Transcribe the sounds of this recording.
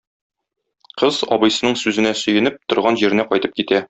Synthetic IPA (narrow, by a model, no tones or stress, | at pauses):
qɤzɒ̰bɤ̆jsɤ̆nɤɴsʉzɘ̆næsɵ̆jɘ̆nɘp̚t̪ŏɾʁɑnʑiɾɘ̆næqɒjt̪ɤp̚kit̪æ